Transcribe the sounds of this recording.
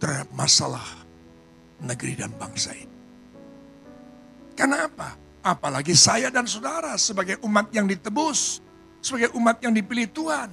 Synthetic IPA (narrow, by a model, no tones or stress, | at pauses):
t̪ərhadap̚masala̰h | nəɡɾidanbaŋsa̰ini | kərnaːpaː | palaɡisajadans̬odaɾasəbaɡajʔumat̪̚jaŋdit̪əbʊs | sːəbaɡajʔumat̪̚jaŋdipiliht̪uan